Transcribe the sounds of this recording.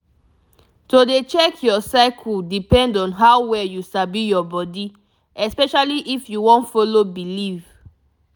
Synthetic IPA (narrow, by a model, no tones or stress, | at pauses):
todet͡ʃɛkʰjɔsaɪkʰudipɛ̃ndɔ̃nɦawwɛjusabijɔbɔdi | ɛspɛʃaliʔifjuwɔ̃ntfɔlobiliv